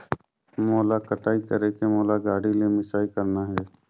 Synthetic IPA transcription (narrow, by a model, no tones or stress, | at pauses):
moːlaːkəʈaːiːkəɾeːkemoːlaːɡaːɽiːleːmɪsaːikəɾnaːɦɛː